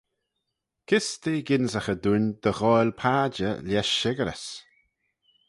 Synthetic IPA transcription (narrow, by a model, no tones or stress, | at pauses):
kʰɪst̪iɡɪnzəxəd̪unʲd̪̥əɣɔjlpʰaːd͡ʒəlʲjɛʃːɪɡəɾə̰s